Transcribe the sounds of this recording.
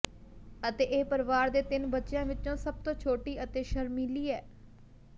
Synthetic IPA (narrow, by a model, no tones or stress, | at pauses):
ət̪eːʔeːpəɾʋaːɾd̪eːt̪ɪnbətːʃjãːʋɪt͡ʃõːsəb̚t̪õːt͡ʃʰoːʈiːʔət̪eːʃəɾmiːliːɛː